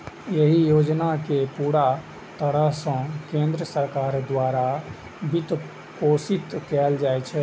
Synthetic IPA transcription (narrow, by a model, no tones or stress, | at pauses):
jeɦijod͡ʒnakepuɽa | t̪əɽəɦsə̃kẽnd̪ɾəsəɾkaɾd̪waɾa | bit̪ | posit̪kɛld͡ʒajt͡ʃʰɛ